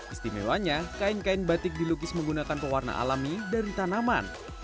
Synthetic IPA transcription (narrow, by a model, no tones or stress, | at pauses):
ʔist̪imḛwaɲakaɪnkaɪnbat̪ɪk̚diluɡɪsməŋɡunakanpəwarna̰ʔa̰lamidaɾit̪anaman